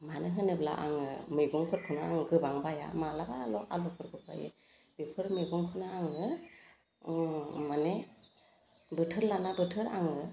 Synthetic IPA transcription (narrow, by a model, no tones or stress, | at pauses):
manɯɦɯnɯbla̰ʔaŋɯmɯjɡɔŋkʰɯɾkʰɯnaaŋɡɯbaŋbaja̰malabaːlɔa̰lɔkʰɯɾkʰɯɾba̰jḛ | b̥epʰɯɾmeɡɔŋkʰɯnaaŋɯ | mane | bɯtʰɯɾlanabɯtʰɯɾaŋɯ